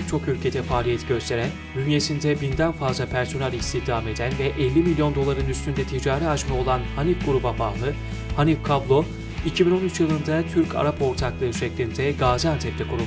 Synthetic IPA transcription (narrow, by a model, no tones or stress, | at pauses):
ɛc̚t͡ʃʰo̞kylʲcʰe̞d̪ɛfaːlʲijɛt̪ʰiɟø̞st̪ʰe̞ɾæn | dynje̞sind̪ɛbind̪ænfazlˠapʰæɾso̞nalʲist̪ʰihd̪aːme̞d̪ænvɛʔɛlʲːimilʲjo̞nd̪o̞lˠaɾɯnyst̪ynd̪ɛt̪ʰid͡ʒaːɾɛat͡ʃmao̞lˠanhanifɡuɾubabaːlˠɯ | hanifkʰablˠo̞ | icʰibino̞nyt͡ʃjɯlˠɯnd̪at̪ʰyɾcʰa̰ɾapo̞ɾt̪ʰaklˠɯɯʃɛclʲind̪ɛɡaːzænt̪ʰɛp̚t̪ʰɛkʰuɾu